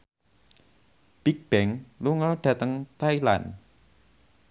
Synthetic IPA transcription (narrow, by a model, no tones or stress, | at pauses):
b̥ik̚b̥ɛŋluŋəɖ̥ä̤t̪əŋt̪aila̰n